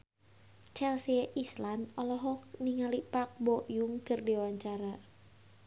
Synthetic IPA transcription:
t͡ʃɛlsieʔislanɔlɔɦɔniŋalipak̚bɔʔjuŋkərdewaɲt͡ʃaɾa

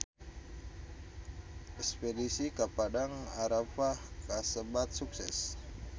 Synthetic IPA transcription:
ʔɛkspedisikapadaŋaɾafahkasəbat̪̚suksɛs

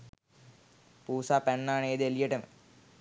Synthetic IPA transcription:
puːsaːpɛnːaːneːd̪elijeʈɐmɨ̰

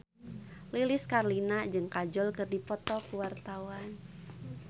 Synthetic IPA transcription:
lilɪskarlinad͡ʒɨŋkad͡ʒɔlkɨrdipɔt̪ɔkuwart̪awan

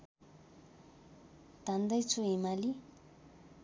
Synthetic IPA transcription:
t̪and̪ʌjt͡sʰuɦimali

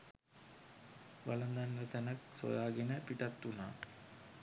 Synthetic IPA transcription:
ʋalɐnd̪anʋət̪ænakso̰jaːɡenəpiʈat̪ːunaː

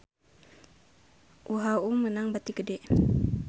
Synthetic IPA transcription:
ʔuɦaumənaŋbat̪ikədɛʔ

